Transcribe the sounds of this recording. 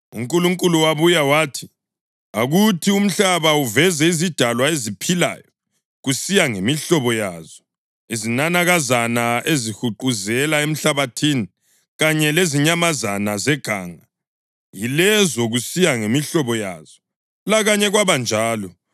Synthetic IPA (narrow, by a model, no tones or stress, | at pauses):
ṵŋkʼuluŋkʼuluwaβujawaːtʰi̥ | aɣutʰium̩ɬaβauvɛzɛizid̥ʱalwaezipʰila̰ːjɔ | ɣusijaŋemiɬɔβɔjaːz̥ɔ | izinanaɣazanaezixuǃuzɛlaem̩ɬaβatʰini | ɣaɲɛleziɲamazanazɛɡ̥ʱa̰ːŋa | jilɛzɔɣusijaŋemiɬɔβɔja̰ːz̥ɔ | laɣaɲɛɣwaβand͡ʒʱaːlɔ